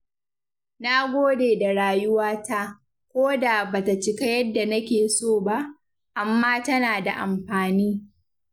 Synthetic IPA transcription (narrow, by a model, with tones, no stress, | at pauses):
na˦ɡʷoː˦deː˨da˨ɽaː˦˨jʊ˦waː˦ta˦ʔ | kʷoː˦da˨baː˨ta˨t͡ʃɪ˦ka˦jɐ˦dːa˨nɐ˦kʲeː˨soː˦˨ba˦ʔ | ʔa˨mːaː˦tɐ˦naː˨da̰˨ʔa̰˨mɸaː˨niː˦